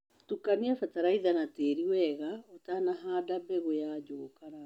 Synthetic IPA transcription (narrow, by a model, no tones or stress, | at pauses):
tukaniafataɾaiðanateːɾiwɛɣaotanaɦaːdabɛɣojaːd͡ʒoːkaɾa